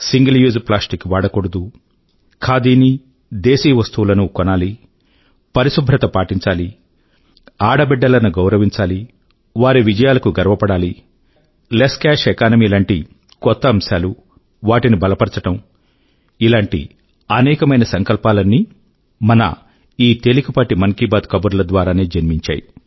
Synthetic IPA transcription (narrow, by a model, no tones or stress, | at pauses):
siŋɡɐljuːzplaːsʈikːʋaːɽɐkoɽud̪u | kʰaːd̪iːni | d̪eːsiːʋɐst̪uwulɐnukɔnaːli | pɐɾisubʱɾɐt̪ɐpaːʈiɲt͡ʃaːli | aːɽɐbɛɖːɐlɐnuɡɐwɾɐʋiɲt͡ʃaːli | ʋaːɾiʋid͡ʒɐjaːlɐkuɡɐɾʋɐpɐɽaːli | leskaːʂekaːnɐmiːlaːɳʈi | kɔt̪ːɐːmʃaːlu | ʋaːʈinibɐlɐpɐɾt͡ʃɐʈɐm | ilaːɳʈḭ | ɐnɛːkɐmɐjnɐsɐŋkɐlpaːlɐnːi | mɐnɐ̰ | iːt̪elikɐpaːʈimɐŋkibaːd̪kɐbuɾulɐd̪ʋaːɾaːneːd͡ʒɐnmiɲt͡ʃa̰ːjḭ